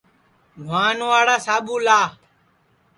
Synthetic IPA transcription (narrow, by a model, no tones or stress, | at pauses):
dʱwaːnʋaːɽaːsaːɓuːlaː